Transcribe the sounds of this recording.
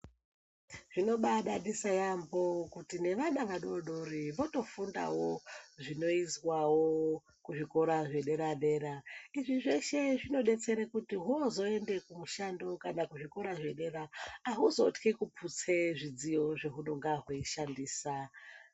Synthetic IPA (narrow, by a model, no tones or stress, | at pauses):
ʐ̥ino̞ɓaɗaɗisajambo̞kutine̞ʋanaʋaɗoɗoriʋo̞to̞funda̰woʐino̞izwawo | kuʐiko̞ɾaʐeɗe̞ɾaɗe̞ːɾaiʐiʐe̞ʃe̞ʐino̞ɗe̞t͡se̞ɾekutiɦuozo̞e̞nde̞kumuʃando̞kanakuʐiko̞ɾaʐe̞ɗe̞raːɦuzotkikupʰut͡se̞ʐid͡zijo̞ʐe̞ɦunoŋɡaɦweiʃandiːsa